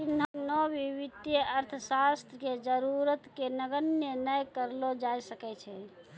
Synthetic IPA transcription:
t̪inɦnɔbiβid̪jəəɾt̪ʰəsast̪ʰɾəked͡ʒəɾuɾət̪kenəɡənjənəjkəɾlod͡ʒajsəkɛt͡ʃʰɛ

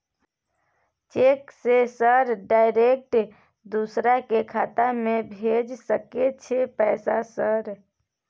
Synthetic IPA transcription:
t͡ʃeksesəɾɖaɪɾek̚ʈ | d̪usɾakekʰaːt̪amẽbʱed͡ʒsəket͡ʃʰepɛːsasəɾ

